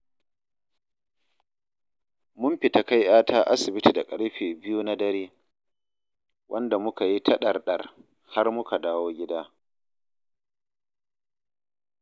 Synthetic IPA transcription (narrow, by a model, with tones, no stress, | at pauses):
mʊ˦mɸɪ˨ta˦ka˦jʔaː˦tʰaː˦ʔa˦sɪ˨bɪ˦ti˨da˨kʼɐ˦ɽɸeː˨bɪ˦juː˦na˦dɐ˦ɾeː˦ | wʔɐ˦nda˨mʊ˦ka˨ji˦tʰɐ˦ɗɐ˨rɗɐ˨r | ha˦rmʊ˦ka˨daː˦woː˦ɡʲɪ˦daː˦